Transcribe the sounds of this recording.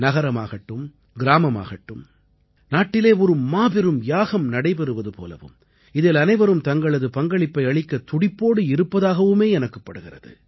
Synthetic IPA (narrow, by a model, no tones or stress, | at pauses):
nɐɣɐɾɐma̰ːɣɐʈːɯm | ɡɪɾaːmɐma̰ːɣɐʈːɯm | naːʈːɪleːɔɾɯmaːbɪɾɯmjaːɣɐmnɐɽɐɪpɛɾɯʋɐðɯpo̰ːlɐ̰ʋɯ̰m | ɪðelɐnɐɪʋɐɾɯmt̪ɐŋɡɐɭɐðɯpɐŋɡɐɭɪpːɐɪɐɭɪkːɐt̪ʊɽɪpːoːɽɯɪɾɯpːɐðaːɣɐʋɯmeːɛnɐkːɐpːɐɽɯɣɪrɐðɯ̰